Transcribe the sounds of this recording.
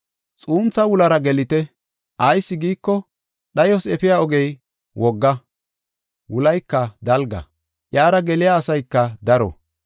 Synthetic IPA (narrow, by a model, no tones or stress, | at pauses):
t͡sʼuːnt͡sːɐwʊlɐɾɐɡɛlɪt̪ɛ | ʔɐjsːɪɡiːkːɔ | ɗɐjɔsɛpɪjaɔɡɛj | wʔɔɡːɐ | wʊlɐjkːɐd̪ɐlɡɐ̰ | ʔjaːɾɐɡɛlɪjaːsɐjkːɐd̪ɐɾɔ̰